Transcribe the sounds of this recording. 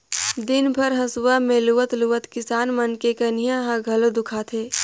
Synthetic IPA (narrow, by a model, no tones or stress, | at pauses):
d̪ɪnbʱɐɾɦɐsʊwamẽluʋət̪luʋət̪kɪsaːnmɐnkekɐnijãɦãɡʱɐlod̪ʊkʰaːt̪ʰeː